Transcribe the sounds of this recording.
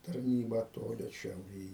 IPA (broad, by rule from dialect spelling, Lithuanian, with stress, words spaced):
tɐrʲˈnʲiːbɑː ˈtoːlʲɪ ʃʲɛʊˈrʲeːj